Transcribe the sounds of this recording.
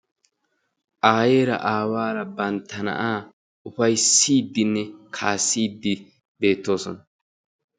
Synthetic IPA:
ʔaːje̞ːɾɐ̰ʔaːwaːɾɐbɐnt̪ːɐnɐ̰ʔaː | ʊfɐjsiːd̪ːɪnːɛkʰaːsːiːd̪ːɪ | be̞ːt̪ːo̞ːsɔnɐ

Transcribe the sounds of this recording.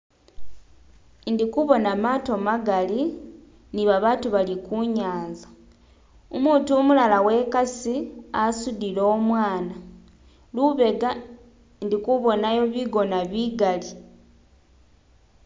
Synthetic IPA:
ndikuβo̞namaːto̞maɡali | niβaβaːtuβalikuɲaːnza | omuːtumulalawe̞ːkasiasudilo̞ːmwaːna | luβe̞ɡa | ndikuβo̞najo̞βiɡo̞naβiɡali

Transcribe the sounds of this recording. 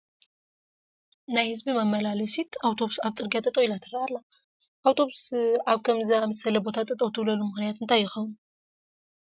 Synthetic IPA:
najhɨzbimɐmːɐlalɐsit̪ʰawt̪ʰo̞βusaβt͡sʼɨɾɡijat̪ʼɐt̪ʼɐwilat̪ʰɨɾɐʔalːa | ʔawt̪ʰo̞βusaβkʰɐmzamɐsɐlɐbo̞t̪ʰat̪ʼːɐt̪ʼɐwt̪ʰɨβlɐlumɨxnijat̪ɨnt̪ʰajːɪxɐwɨn

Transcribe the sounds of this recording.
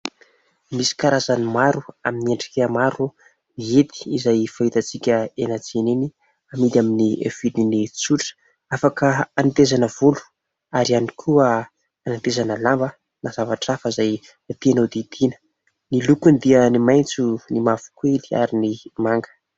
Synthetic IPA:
misi̥kaɾazanimaɾuaminieɳɖ͡ʐi̥kʲəmaɾu | niet̪i̥izajfait̪at͡sikʲəenat͡seneni | amid̪ʲaminiḛv̥ilinit͡suʈ͡ʂ | afakəanit̪ezanəv̥ulu̥ | aɾianikʰuə | anant̪ezanəlambə | naz̥avaʈ͡ʂafəzaj | at̪eanad̪id̪inə̥ | nilukund̪iənimajnt͡sunimavu̥kueli̥a̰ɾinimaŋɡə̥

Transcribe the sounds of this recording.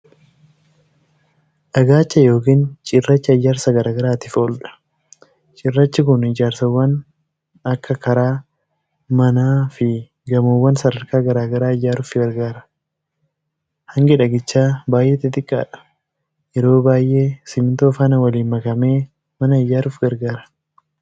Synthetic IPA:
ʔɐɡaːt͡ʃːɐjo̞ːkiːnt͡ʃʼɪrːɐt͡ʃːɪɐjːaːɾsɐɡɐɾaːɡɐɾaːt̪ɪfoːlᶑɐ̥ | t͡ʃʼɪrːɐt͡ʃːɪkʊnɪd͡ʒaːɾsɐwːɐn | ɐkːɐkɐɾaː | mɐnaːfɪ | ɡɐmowːɐnsɐdɐɾkaːɡɐɾaːɡɐɾaːɪjːaːɾuːfɪɡɐɾɡaːɾɐ | hɐŋɡɪᶑɐɡɪt͡ʃːaːbaːjʔeːt̪ːɪt̪ʼɪkʼːa̰ːᶑɐ̥ | jɛɾo̞ːbaːjʔe̞ːsɪmɪt̪o̞ːfaːnɐwɐliːmːɐkɐme̞ː | mɐnɐɪjːaːɾuːfɡɐɾɡaːɾɐ̥

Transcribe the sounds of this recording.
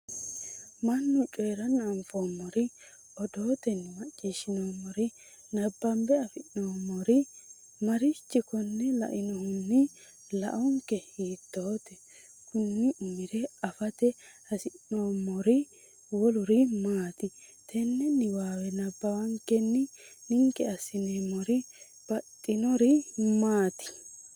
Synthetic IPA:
mɐnːʊt͡ʃʼeːɾɐnɐɱfoːmːɔɾɪ | ɔd̪o̞ːt̪ɛnːɪmɐt͡ʃʼːiʃɪnoːmːɔɾɪ | nɐbːɐmbɛɐfɪʔnoːmːɔɾɪ | mɐɾɪt͡ʃːɪkɔnːɛlɐ̰ʔɪnɔhʊnːɪ | lɐ̰ʔɔŋkɛhiːt̪ːo̞ːt̪ɛ | kʊnːɪʔʊmɪɾɛɐfɐt̪ɛhɐsɪnːoːmɔɾɪ | wɔlʊɾɪmaːt̪ɪt̪ʰɛnːɛnɪwaːwɛnɐbːɐwɐŋkːɛnːɪnɪŋkɛɐsɪneːmɔɾɪ | b̥ɐt̪ʼːɪnɔɾɪmaːt̪ɪ̥

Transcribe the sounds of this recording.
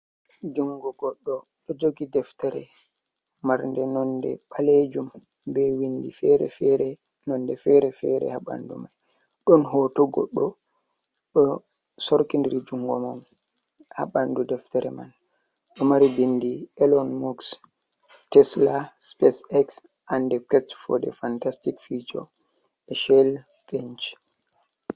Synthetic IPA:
d͡ʒuŋɡɔɡɔɗːɔ | ɗɔd͡ʒoɡidɛftɛɾɛ̰ | maɾndɛnɔndɛ̰ɓaled͡ʒum | bɛwindḭfɛɾɛ̰fɛɾɛ | nɔnːdɛfɛɾɛfɛ̰ɾɛ̰haɓa̰ndṵmaj | ɗɔnɦɔːtɔɡɔ̰ɗːɔ | ɗɔ | sɔɾkindiɾid͡ʒuŋɡɔman | ha̰ɓandudɛftɛɾɛma̰n | ɗɔmaɾibindiɛlɔnmuks | tɛslaspɛsɛks | ʔandɛkɛstfɔ̰dɛ̰fantastikfid͡ʒɔ̰ | ɛʃɛl | fɛnt͡ʃ

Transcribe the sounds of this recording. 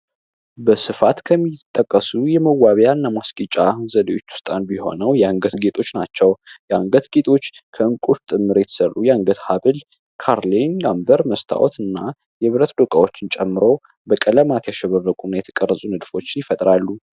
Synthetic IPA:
bəsɨfat̪kʰəmːit̪ʼːəkʼːəsujɛməwːaβjanːamaskʼit͡ʃʼahnzələjo̞t͡ʃːu̥st̪ʼanbiho̞̰nəwjɛaŋɡət̪ɡet̪ʼʰo̞t͡ʃːnat͡ʃːɛwjɛaŋɡət̪ɡet̪ʼʰo̞t͡ʃːkʰəɨŋkʼuɾt̪ʼɨmːɨɾjɛt̪ʰə̥sərʔujɛaŋɡət̪haβɨl | kʰaɾlinɡambəɾməst̪ʰa̰wɔ̰t̪ɨnːa | jɛβɨɾət̪d̪okʼawo̞t͡ʃːɪnt͡ʃʼɛmːɨɾo̞ | bəkʼələmat̪jaʃɛβərːəkʼunajɛt̪ʰə̥kʼərːəsʼunɨd̪fo̞t͡ʃːɪnjɪfət̪ʼɾalːu

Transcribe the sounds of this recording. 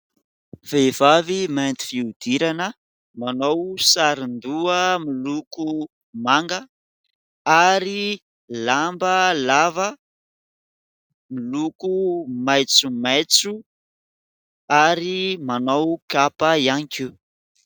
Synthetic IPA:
v̥ev̥avimant̪i̥fiud̪̥iɾanə | manowsaɾind̪uəmiluku | maŋɡə | aɾi | lambəlavə | milukumajt͡sumajt͡su | aɾimanowkapaianiki

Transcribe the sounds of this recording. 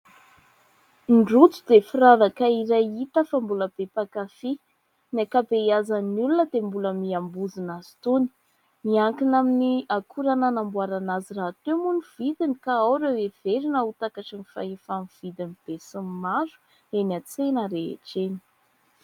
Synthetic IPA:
ɳɖ͡ʐut͡sud̪efiɾavakaiɾajit̪əfambuləb̥epakafi | nakabejazanulunəd̪̥embuləmiambuzinaz̥i̥t̪uni̥ | miaŋkinaminiakʰuɾananambuaɾanaziraːt̪emuniv̥id̪inikaawɾewev̥eɾinəut̪akaʈ͡ʂanifa̰efamv̥id̪inib̥esəmmazu̥ | enat͡senəɾeḛʈ͡ʂeni̥

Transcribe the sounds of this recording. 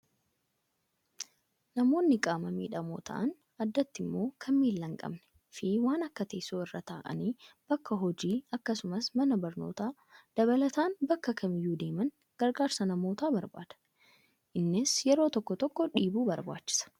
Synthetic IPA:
nɐmo̞ːnːɪkʼaːmɐmḭːᶑɐmoːt̪ʰɐ̰ʔɐn | ɐd̪ːɐt̪ːɪmːo̞ːkʰɐmːiːlːɐŋkʼɐ̰bnɛ̥ | fiwaːnɐkːɐt̪ɐːsoːɪrːat̪ʰaːʔɐ̰niːb̥ɐkːɐɦɔd͡ʒiːɐkːɐsʊmɐsmɐnɐbɐɾno̰ːt̪aː | d̪̥ɐβɐlɐt̪aːnbɐkːɐkʰɐmɪjːuːd̪e̞ːmɐn | ɡ̥ɐɾɡaːɾsɐnɐmo̞ːt̪aːbɐɾba̰ːd̪̥ɐ̥ | ʔɪnːɪsjɛɾo̞ːt̪ɔkːɔt̪ɔkːɔᶑiːbuːbɐɾba̰ːt͡ʃːɪ̥sɐ̥

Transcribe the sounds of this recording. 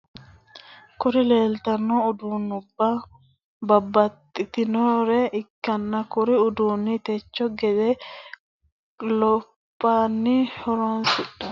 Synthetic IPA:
kʊɾɪleːlt̪ɐnːɔʊd̪uːnːʊbːɐ | bɐbːɐt̪ʼːɪt̪ɪnoɾɛʔɪkːɐnːɐkʊɾɪʊd̪uːnːit̪ɛt͡ʃːɔɡɛd̪ɛ | lɔ | pːaːnːihɔɾoːnsɪɗːɐ

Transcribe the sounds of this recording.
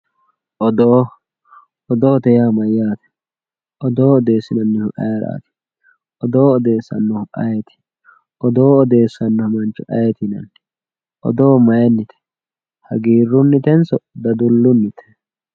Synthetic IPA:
ʔɔd̪oː | ɔd̪o̞ːt̪ɛjaːmɐjːaːt̪ɛ̥ | ʔɔd̪oːɔd̪eːsːɪnɐnːɪhʊʔɐjɾa̰ːt̪ɛ̥ | ʔɔd̪oːɔd̪e̞ːsːɐ̰nːɔhʊʔɐjɛt̪ɛ̥ | ʔɔd̪o̞ːɔd̪e̞ːsːɐnːɔhmɐnt͡ʃːɔʔɐjɛt̪ɪnɐ̰nː | ʔɔ̰d̪o̞ːmɐjɛnːɪt̪ɛ̥ | hɐ̰ɡiːrːʊnːɪt̪ɛnsɔd̪ɐd̪ʊlːʊnːɪt̪ɛ̥

